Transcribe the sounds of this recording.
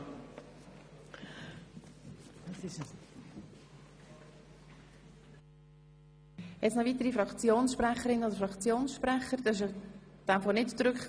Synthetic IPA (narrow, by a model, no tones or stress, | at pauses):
dɑsɪʃ | jɛt͡ssnɔviːtəɾifɾɑkt͡sjoːnsʃprɛχəɾɪnəodəɾfɾɑkt͡sjoːnsʃpɾɛχəɾd̥̪ɑɪʃ | d̥ɛmfɔːnɪtt͡sɾʏkχ